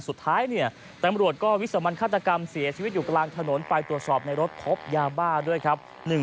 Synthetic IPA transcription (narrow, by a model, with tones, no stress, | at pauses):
su˨˩t̪ʰːaː˦˥jni˥˩ɐ | t̪a˧mɾu˨˩ət̪̚kɔː˥˩wi˦˥sa˧ma˧nkʰaː˥˩t̪ɾa˧ka˧msi˩˦ɐt͡ɕʰiː˧wt̪̬̚juː˨˩klaː˧ŋt̪ʰa˧no˩˦npa˧jt̪ɾu˨˩ət̪̚sɔː˨˩p̚na˧jɾo˦˥t̪̚pʰo˦˥p̚jaː˧baː˥˩du˥˩əjkʰa˦˥p̚ | nɯ˨˩ŋ